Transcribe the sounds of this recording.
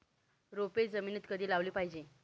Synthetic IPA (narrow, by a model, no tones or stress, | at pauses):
ɾoped͡zəmiːnet̪kəd̪ʱiːlaʋliːpaɦid͡ʑe